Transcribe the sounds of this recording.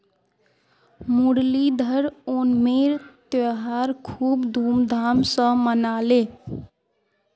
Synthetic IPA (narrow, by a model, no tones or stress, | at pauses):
muɽlid̪ʱəɾonmeɾt̪əɦaɾkʰuːbd̪ʱuːmd̪ʱamsə̃mənale